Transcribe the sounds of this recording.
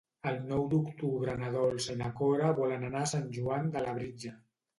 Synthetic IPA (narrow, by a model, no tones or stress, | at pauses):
əlˠnɔwd̪ukt̪uβɾənaðɔlˠsenakɔɾaβɔlənanasanʲʒuand̪əlaβɾid͡ʒa